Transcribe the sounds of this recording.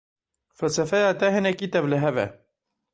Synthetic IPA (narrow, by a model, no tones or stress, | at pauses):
fælsɛfɛjɑːt̪ɛɦɨnɛkiːt̪ɛbləɦɛvɛ̰